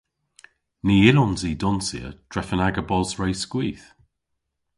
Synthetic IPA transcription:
niːɪlɔnziːdɔnsiə̰d̥ʰɹɛfənaɡəbɔzɹejskwiːθ

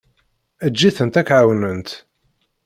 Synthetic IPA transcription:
æd͡ʒːiθənt̪ækːʕawnənt̪

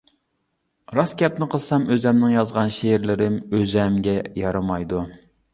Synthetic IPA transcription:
ɾɑskʲɛpnɪqʰəlˠsɑmøzɛmnɪŋjɑzʁɑnʃeɾlɪɾɪmøzɛmɡʲɛjɑɾɨmɑjd̪u

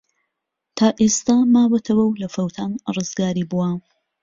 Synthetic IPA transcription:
t̪ʰaːʔest̪aːmaːbɐt̪ʰɐwɐwlɐfɐwt̪ʰaːnrɨzɡaːɾiːbuwa

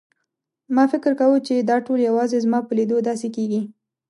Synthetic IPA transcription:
mɑfɪkəɾkawut͡ʃed̪ɑʈoljawɑzezmɑpəlid̪od̪ɑsekeɡi

